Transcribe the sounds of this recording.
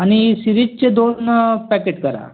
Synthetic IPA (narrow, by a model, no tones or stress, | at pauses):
añisiɾid͡ʑt͡ɕed̪onpækeʈkəɾa̰